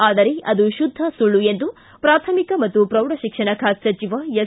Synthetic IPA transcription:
aːd̪ɐɾeʔɐd̪uʃud̪ʱːɐsuɭːuend̪u | pɾaːt̪ʰɐmikɐmɐt̪ːupɾɐwɽɐʃikʂɐɳɐkʰaːt̪sɐt͡ʃiʋɐjɐ

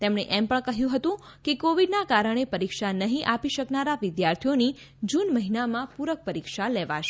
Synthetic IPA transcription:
t̪emɳeʔɛmpəɳkəɦjũɦət̪ũ | kekoʋiɖnakaɾəɳ̃epəɾikʃanəɦĩʔapiʃəknaɾaʋɪd̪jaɾt̪ʰijoni | d͡ʒunməɦinamãpuɾək̚pəɾikʃalɛʋa̰ʃe

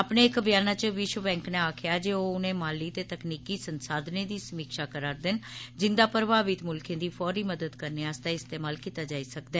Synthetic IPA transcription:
apneːɪkbɪjaːnaːt͡ʃəʋɪʃwəbɛ̃ːŋknẽaːkʰɪjaːd͡ʒeːoʊnẽːmaːliːt̪eːt̪əkniːkiːsənsaːd̪neːd̪iːsəmiːkʃaːkəɾaːɾd̪ɪnd͡ʒɪnd̪aːpɾəbaːʋɪt̪mʊlkʰẽːd̪iːfʰɔːɾiːməd̪əd̪kəɾneːast̪aɪst̪eːmaːlkiːt̪aːd͡ʒaːisəkd̪ɛː

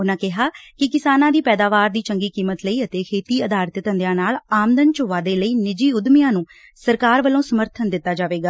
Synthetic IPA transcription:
ʊnãːkɪɦaːkɪkɪsaːnãːd̪iːpɛːd̪aːʋaːɾd̪iːt͡ʃəŋɡiːkiːmət̪ləiːət̪eːkʰeːt̪iːəd̪aːɾt̪t̪ənd̪jãːnaːlaːmd̪ənt͡ʃʊːʋaːd̪eːləiːnɪd͡ʒiːʊd̪mɪjãːnũː | səɾkaːɾʋəlõːsəməɾt̪ʰənd̪ɪt̪ːaːd͡ʒaːʋeːɡaː

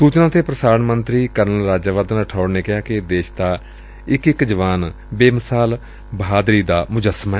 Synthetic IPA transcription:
suːt͡ʃnãːt̪eːpɾəsaːɾənmənt̪ɾiːkəɾnəlɾaːd͡ʒaːʋaːd̪ənəʈʰaːʊɽneːkɪɦaːkɪd̪eːʃd̪aː | ɪkɪkd͡ʒəʋaːn | beːməsaːl | bəɦaːd̪ɾiːd̪aːmʊd͡ʒəsmaɛ

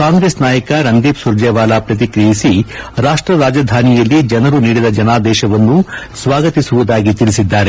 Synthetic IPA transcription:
kaːŋɡɾeːsnaːjɐkɐɾɐnd̪iːpsuɾd͡ʒɛːʋaːlapɾɐt̪̬ikɾijisiɾaːʂʈɾɐɾaːd͡ʒɐd̪ʱaːnijɐlːid͡ʒɐnɐɾuniːɽid̪ɐd͡ʒɐnaːd̪ɛːʃɐʋɐnːusʋaːɡɐt̪isuʋud̪aːɡit̪ilisid̪ːaːɾe

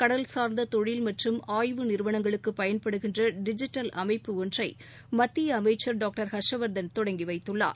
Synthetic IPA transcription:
kɐɽɐlsaːɾnd̪ɐt̪ɔɻɪlmɐʈrɯmaːjʋɯnɪɾɯʋɐɳɐŋɡɐɭɯkːɯpɐjɐnpɐɽɯɣɪndrɐɖɪd͡ʒɪʈːɐlʔɐmɐɪpːɯɔndrɐɪ | mɐt̪ːɪjɐːmɐɪt͡ʃːɐɾɖaːk̚ʈɐɾhɐʂɐʋɐɾd̪ɐnt̪ɔɽɐŋɡiʋɐɪt̪ːɯɭːa̰ːɾ

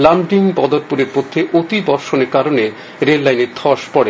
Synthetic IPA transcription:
lamɖiŋbɔd̪oɾpuɾeɾpod̪ʰʱːeʔot̪ibɔɾʃoneɾkaɾone | ɾelːajneɾt̪ʰɔʃpɔɽe

